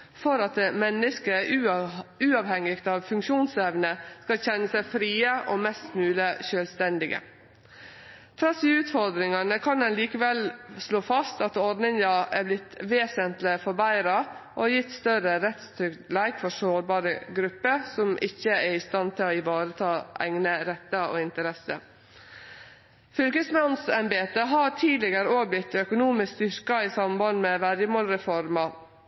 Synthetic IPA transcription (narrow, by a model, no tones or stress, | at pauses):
fɔɾɑt̪̚d̪emɛnːəskəʔʉʉːɑʋhɛŋːɪɡt̪ɑʋfʉŋkʃuːnsɛʋnəskɑlɕɛnːəsæɪfɾiːəʔɔmɛst̪mʉːləʃœːlst̪ɛnd̪ɪɡə̰ | fʰɾɑːsiːʉːt̪fɔɾd̪ɾɪŋɑnəkʰɑnɛnliːkəʋɛlsloːfɑst̪ɑt̪ɔɾd̪nɪŋd̪ɑæblɪt̪ʋeːsənt̪lɪfɔɾbæɪɾɑʔɔjɪt̪st̪œɾəɾɛt̪st̪ʰɾʏklæɪɡfɔʂoːɾbɑːɾəɡɾʉpːəsɔmʔɪ̰çːəæɾɪst̪ɑnt̪ʰɪlɔɪʋɑːɾət̪ʰɑːʔæ̰ɪŋnəɾɛt̪ːəʔo̰ːɪnt̪əɾɛsə̰ | fʏlkəsmɑnsɛmbeːt̪əɦɑʈʰiːlɪɡəɾəoːɡ̚blɪt̪ːœkʊnuːmɪskst̪ʏɾkɑisɑmbɑnmɛʋæɾjəmoːlɾɛfɔɾmɑ